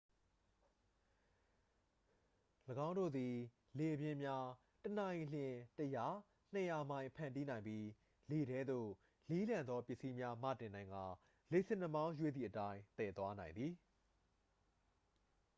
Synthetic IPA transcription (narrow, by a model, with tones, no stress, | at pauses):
ləɡã˦ʊ̃no̰˦˨d̪i˨ | le˨ʔəbjɪ̃˦mja˦ | tənã˨ɪ̃l̥jɪ̃˨təja˦˨ | n̥ə˨ja˨mã˦ɪ̃pʰã˨nti˦nã˨ɪ̃mbji˦ | le˨ɾɛ˦d̪o̰˦˨ | li˦lã˨nd̪ðɔ˦pjɪ˦ʔsi˦mja˦mä̰˦˨tɪ̃˨nã˨ɪ̃ŋɡa˨ | le˨sɪ̃˦˨nə˦mã˦ʊ̃jwe˦˨d̪i˨ʔətã˦ɪ̃t̪ɛ˨t̪wa˦nã˨ɪ̃nd̪ði˨